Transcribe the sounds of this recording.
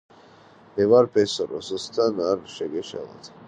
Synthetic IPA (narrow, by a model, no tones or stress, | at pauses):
mɛvaɾpʰɛsɔɾɔ̰sɔst̪ʰanaɾʃɛɡɛʃɛ̰lˠa̰t̪ʰ